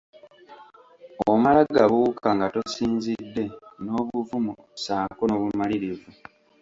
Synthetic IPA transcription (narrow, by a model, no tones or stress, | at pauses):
omalaɡaβuukaŋɡatosiːnzidːe̞no̞ːβuvumu | saːkonoβumaliɾivu